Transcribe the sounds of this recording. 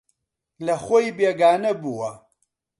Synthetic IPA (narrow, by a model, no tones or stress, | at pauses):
lɐxojbeːɡaːnɐbuwɐ